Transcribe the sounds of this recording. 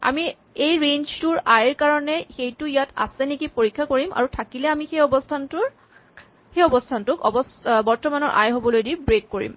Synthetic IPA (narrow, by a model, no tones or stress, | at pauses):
a̰mi | ejɹenztʊɹajɹkaɹɔnɛxejtʊjata̰sɛnikipoɹikʰːakoɹimʔa̰ɹutʰakilɛamixejɔbɔstʰantʊɹ | xejɔbɔstʰantʊkɔ̰bɔsbɔɹtɔmanɔɹʔa̰jɦobɔlojdibɹekːoɹḭm